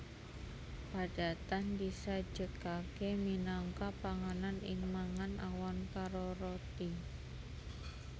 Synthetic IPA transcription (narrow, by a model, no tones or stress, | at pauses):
paɖ̥a̤t̪anbisḁd͡ʒəkakeminaŋkapaŋananɪ̰ŋmaŋanʔawankaɾoɾot̪i